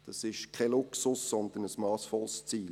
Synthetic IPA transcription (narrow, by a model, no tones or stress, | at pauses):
d̥ɑsɪʃkʰɛlʊksʊsːɔnd̪ənəsmɑːsfɔlst͡siːl